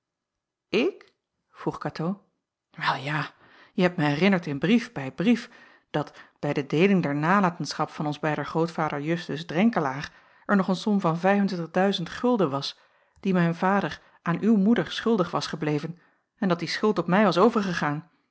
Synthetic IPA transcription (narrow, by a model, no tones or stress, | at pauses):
ɪk | v̥ruχkaːtʰo | ʋɛlˠjaː | jəɦɛp̚tməɦɛrɪnəɹtɪnbrifbɛjbrif | d̥ɑtb̥ɛjdədejlɪŋdɛɹnaːlaːtənsχɑpfɑnɔnzbɛjdəχrowtfaːdəɹjɵstəsdrɛŋkəlaːχ | ɛɹnɔχənsɔmvɑnvɛjfəntɪɹtəχdœɥzəntχɵlˠdənʋɑs | d̥imɛjnv̥aːdəɹ | ʔaːnʔywmudəɹsχɵlˠdəχʋɑsχəblejvən | ɛndɑt̚disχʏlˠtɔpmɛjʋɑsowvəɹχəχaːn